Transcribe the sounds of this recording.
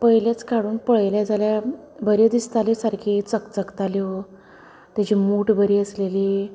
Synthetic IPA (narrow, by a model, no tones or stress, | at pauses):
pəɦjljat͡skaɽuːnpəɭjljad͡zalja | bəɾjed̪ist̪alesaɾkʰit͡səkt͡səkt̪aleo | t̪jat͡ɕiːmuʈbəɾiːəsleliː